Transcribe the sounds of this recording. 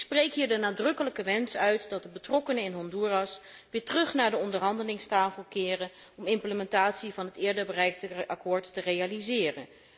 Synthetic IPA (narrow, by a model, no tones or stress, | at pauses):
ɪksprejkɦiːɹdənaːdrɵkələkəʋɛnsœɥtdɑt̚dəbətrɔkənəɪnɦɔndurɑs | ʋɪːɹtərɵχnaːɹdəɔndəɹɦɑndəlɪŋstaːfəlˠkɪːrən | ɔmɪmpləmɛntaːtsivɑnɦətɪːɹdəɹbərɛjk̚dəʔɑkʊːɹtːərejalizɪːrə̰n